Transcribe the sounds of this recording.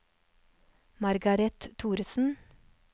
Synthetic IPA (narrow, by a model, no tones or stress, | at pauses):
mɑɾɡɑɾɛt̪t̪ʰːuːɾsn̩